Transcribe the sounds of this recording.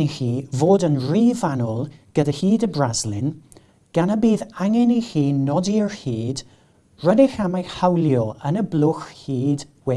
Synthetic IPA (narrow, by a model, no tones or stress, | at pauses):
nixiːvoːdənriːvanɔlˠɡ̥ədahiːdəbrazlɪn | ɡ̥anəbiːðaŋɛnixiːnɔdiəɹhiːd | rədɪxamajhawlˠjɔənəblˠʊxhiːdwɛ